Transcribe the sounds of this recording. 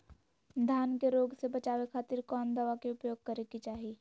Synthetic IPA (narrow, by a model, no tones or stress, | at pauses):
d̪ʱjaːnkeɾoːɡsebɐt͡ʃaːʋekʰaːt̪ɪɾkɔːnd̪ɐʋakeʊpjoːɡ̚kɐɾekit͡ʃaːɦieː